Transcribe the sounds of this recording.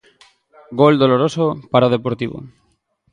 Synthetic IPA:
ɡold̪oloɾosopaɾaoð̞epoɾt̪iβo̰

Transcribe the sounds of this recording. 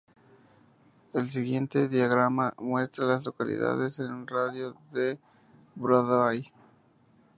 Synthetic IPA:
e̞ls̬iɣje̞nt̪e̞ðjaɣɾamamwe̞st̪ɾalazlo̞kalḭða̰ðe̞senraðjoðe | bɾaðaj

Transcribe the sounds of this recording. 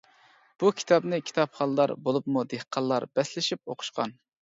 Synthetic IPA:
b̥ukʲʰi̥t̪ʰɑbnɨkʲʰi̥t̪ʰɑpχɑlˠːɑɾbolˠupmud̪ehqʰɑlˠːɑɾbɛslɪʃip̚oqʰʊ̥ʃqɑ̰n

